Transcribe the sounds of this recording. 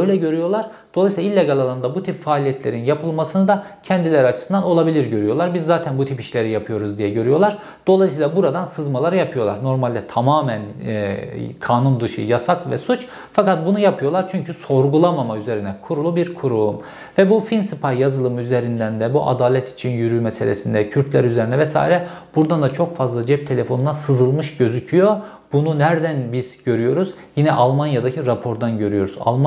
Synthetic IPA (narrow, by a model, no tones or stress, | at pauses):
øjlʲɛɟø̞ɾyjo̞lˠaɾ | d̪̥o̞lˠajsilˠailʲːɛɡalˠalˠand̪abut̪ʰipfaːlʲijɛt̪ʰlʲe̞ɾinjapʰɯlˠmasɯnɯd̪acʰɛnd̪ilʲeɾiat͡ʃʰɯ̥sɯnd̪ano̞lˠabilʲiɾɟø̞ɾyjo̞lˠaɾbizːaːt̪ʰænbut̪ʰipiʃlʲe̞ɾijapʰɯjo̞ɾuzd̪ijɛɟø̞ɾyjo̞lˠaɾ | d̪̥o̞lˠajsijlˠabuɾad̪ansɯzmalˠaɾɯjapʰɯjo̞lˠa̰ɾno̞ɾmalʲd̪ɛt̪ʰamaːmæn | kʰaːnund̪ɯʃɯ̰jasakvɛ̰sut͡ʃ | fakat̪̚bunujapʰɯjo̞lˠaɾt͡ʃʰyɲcʰyso̞ɾɡulˠamamayze̞ɾinɛkʰuɾulˠubiɾkʰuɾuum | vɛbufinsɯpʰajazɯlˠɯmyzeɾind̪ænd̪ɛbuʔa̰d̪aːlʲɛt̪ʰi̥t͡ʃʰinjyɾyːmɛselʲesind̪ɛcʰyɾt̪ʰlʲæɾyzeɾinɛvɛsa̰ːiɾɛb̥uɾd̪and̪at͡ʃʰo̞kfazlˠad͡ʒɛp̚t̪ʰe̞lʲefo̞nunasɯzɯlˠmɯʃɟø̞zycʰyjo̞ | b̥ununæɾd̪ænbizɟø̞ɾyjo̞ɾuzjinɛʔalˠmanjad̪acʰiɾapʰo̞ɾd̪anɟø̞ɾyjo̞ɾuza̰lˠma